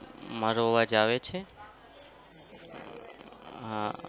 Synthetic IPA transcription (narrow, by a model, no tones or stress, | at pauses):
maɾoʋad͡ʒaʋet͡ʃʰe | ɦã